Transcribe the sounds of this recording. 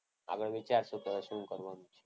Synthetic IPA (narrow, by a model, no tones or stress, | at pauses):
a̰ɡəɭʋit͡ʃaɾsupədəʃnũkəɾʋanũt͡ʃʰe